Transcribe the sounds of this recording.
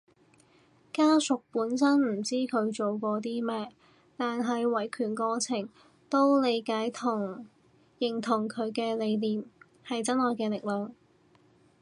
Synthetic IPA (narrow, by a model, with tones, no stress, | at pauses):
kaː˥sʊ˨k̚puː˨˥nsɐ˥nm̩˨˩t͡siː˥kʰɵ˨˧ɥt͡ʃo˨wkʷɔː˧t̪iː˥mɛː˥ | t̪aː˨nɦɐ˨jwɐ˨˩jkʰyː˨˩nkɔː˧t͡sʰɪ˨˩ŋ | t̪o˥wle˨˧jkaː˨˥jt̪ʰʊ˨˩ŋ | jɪ˨˩ŋt̪ʰʊ˨˩ŋkʰɵ˨˧ɥkɛː˧le˨˧jliː˨m | hɐ˨jt͡sɐ˥nhɔː˨jkɛː˧lɪ˨k̚lœː˨˧ŋ